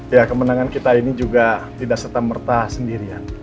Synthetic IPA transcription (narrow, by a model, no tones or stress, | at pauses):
jakəmənaŋankit̪ainid͡ʒuɡat̪idaʔsərt̪amərt̪asəndiɾian